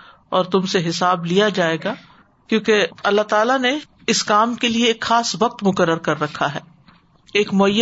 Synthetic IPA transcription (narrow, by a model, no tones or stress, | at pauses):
ɔːɾt̪ʊmseɦɪsaːblijad͡ʒaːeːɡa | kjõːkeɐlːat̪aːlane | ɪskaːmkelieːkxaːsʋɐq̚t̪mʊkəɾːəɾkɐɾːɐkʰaɦɛː | eːkmʊəjːə